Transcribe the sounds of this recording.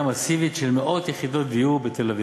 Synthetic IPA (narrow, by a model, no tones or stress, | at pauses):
amasivitʃe̞lmeʔo̞t̪jeχid̪o̞t̚d̪ijubet̪elevi